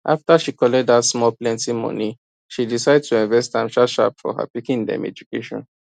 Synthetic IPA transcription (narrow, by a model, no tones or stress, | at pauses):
ʔaftaʃikɔlɛdatsmɔlplɛ̃ntĩmɔ̰̃ni | ʃidisaɪdtʰuĩnvɛstãmʃaʃa̰pfɔ̰ha̰pikĩndɛ̰̃mɛ̰d͡ʒukeʃɔ̰̃n